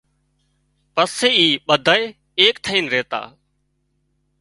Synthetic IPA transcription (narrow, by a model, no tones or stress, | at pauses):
pəseːiːɓəd̪ʱəe | eːkt̪ʰəiːnɾeːt̪a̰ː